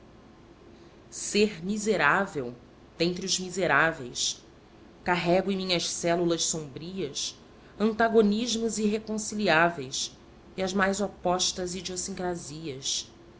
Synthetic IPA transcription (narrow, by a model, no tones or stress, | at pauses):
seɾmizeɾavew | d̪̥ẽnt̪ɾiʊzmizeɾavejs | kaɦɛɡʊẽmĩɲɐʃsɛlulɐʃsõmbɾiɐs | ɐ̃nt̪aɡoniʒmʊziɦekõsiliavejs | iɐzmajzopɔʃt̪ɐzid͡ʒiosĩŋkɾaziɐs